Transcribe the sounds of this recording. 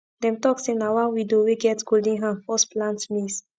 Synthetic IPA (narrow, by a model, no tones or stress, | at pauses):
dɛ̃mtɔksĩnawãwidoweɡɛtɡoldĩɦãfɔsplãntmis